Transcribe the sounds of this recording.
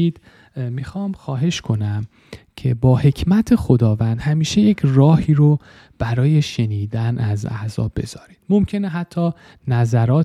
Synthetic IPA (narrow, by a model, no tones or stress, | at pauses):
iːd̪̥ | mixɒːmxɒːɦe̞ʃkʰo̞næm | cʰe̞bɒːhe̞cʰmæt̪ʰexod̪ɒːvænd̪̥hæmiːʃe̞je̞cʰrɒːhiːɾo | b̥æɾɒːje̞ʃe̞niːd̪ænæzæ̰zɒ̰ːbbːe̞̰z̥ɒːɾiːd̪̥momcʰe̞neɦæt̪ʰːɒː | næzæɾɒːt̪